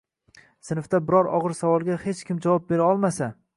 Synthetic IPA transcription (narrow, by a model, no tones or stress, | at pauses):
sɪnɪft̪abɪɾɒɾɒ̰ʁɨɾsavɒlˠɡʲahe̞t͡ʃkʲɪmd͡ʒavɒp̚be̞ɾaɒlˠmasa